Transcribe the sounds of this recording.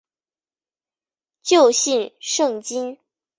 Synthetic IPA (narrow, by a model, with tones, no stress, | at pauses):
t͡ɕjo˥˧ʊɕi˥˧nʂɤ˥˩ŋt͡ɕi˥n